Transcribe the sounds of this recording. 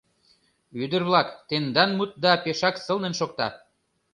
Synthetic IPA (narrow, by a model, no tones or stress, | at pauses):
yd̪ə̆rβlɑkt̪end̪ɑnmut̪̚d̪ɑpeʃɑksɤ̆lnenʃok̚t̪ɑ